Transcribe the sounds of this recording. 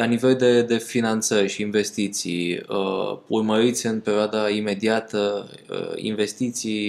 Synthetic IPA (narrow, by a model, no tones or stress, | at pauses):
lanive̞ld̪e̞d̪e̞finant̪sərʲʃiːnve̞st̪it̪sḭjəurməɾit̪sʲɨnpe̞ɾioad̪aime̞d̪iat̪ə̰ | ḭnve̞st̪it̪sij